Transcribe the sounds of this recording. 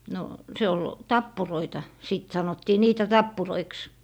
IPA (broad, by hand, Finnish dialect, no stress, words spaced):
no se ol tɑpːuroitɑ siˑt sɑnotːiː niːtæ tɑpːuroiks